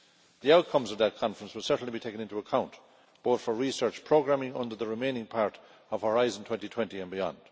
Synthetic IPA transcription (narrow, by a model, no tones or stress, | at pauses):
ðiaʊt̚kʰʌ̃mzʌvðət̚kʰɑ̃ɱfɹə̃nswəlˠsɜ˞ʔn̩libitʰeɪkə̃nɪ̃ntuəkʰãʊ̃nʔ | b̥oʊθfə˞ɹisɜ˞t͡ʃpʰɹ̥oʊɡɹæmɪ̃ŋʌ̰̃ndə˞ðəɹɪmẽɪ̃nɪ̃ŋpʰaɹɾ | ʌv̥həɹaɪzə̃n̩tʰw̥ɛ̃ntitʰw̥ɛ̃ntiɨ̃nbiɑ̰̃nd̥